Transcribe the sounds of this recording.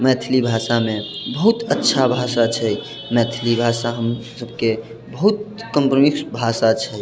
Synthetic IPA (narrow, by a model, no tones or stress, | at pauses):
mɛt̪ʰlibʱasamẽbəɦut̪ətːʃʰabʱasat͡ʃʰɛj | mɛt̪ʰlibʱasaɦəmsəbke | bəɦut̪̚kəmpɾmiksbʱasat͡ʃʰɛ